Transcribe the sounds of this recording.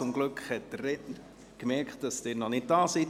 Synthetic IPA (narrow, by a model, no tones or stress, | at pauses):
ʊmɡlʏkχhɛt̚d̥əreʔn | kmɛɾkχt̚d̥ɑsd̥ɪːɾnɔnɪt̚d̥ɑːsi